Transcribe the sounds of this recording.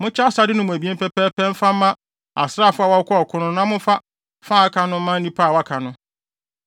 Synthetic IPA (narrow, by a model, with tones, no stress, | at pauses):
mʊ̃˦t͡ɕʰɛ˦a˦sa˨˦dɪ˦nʊ̃˦mʊ̃˨æ˨bi˦ɛ˦pʰɛ˦pʰɛː˦pʰɛ̃˦m̩˦fa˦mã˦ | a̰˨sɾa˦˨fʊ˦a˦˨wa˦kʷʰɔ˦ɔ˨kʰʊ̃˦nʊ̃˦nã˦mʊ̃˦fa˦ | fã˦˨a˦kʰa˨nʊ̃˦mã˦n̩˦nĩ˦pʰa˦˨wa˦kʰa˨nʊ̃˦